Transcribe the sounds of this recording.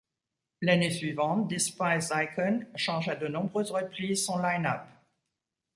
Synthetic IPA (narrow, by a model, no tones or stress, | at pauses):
lanesɥivɑ̃t̪̚d̪espajzajkɔnʃɑ̃ʒad̪ənɔ̃bʁøzʁəplizsɔ̃lajnap